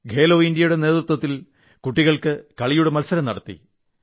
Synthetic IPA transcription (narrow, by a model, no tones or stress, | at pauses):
ɡʱe̞ːloːind̪jɐjuɽe̞ne̞ːt̪rut̪wɐt̪ːil | kuʈːiɣɐɭkɨkɐɭijuɽe̞mɐlsɐɾɐmnɐɽɐt̪ːḭ